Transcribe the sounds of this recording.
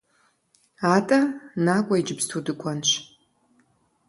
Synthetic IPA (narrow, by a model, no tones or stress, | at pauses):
aːtʼɐnaːkʷʼɔid͡ʒɪbstʰudɨkʷʼɔnɕʷ